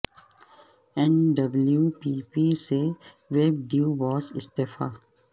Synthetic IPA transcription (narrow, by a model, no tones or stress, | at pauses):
ɛ̃nɖɐbljuːpiːpiːse | ʋeb̚ɖjuːʋɔːzɪst̪eːfa̰ː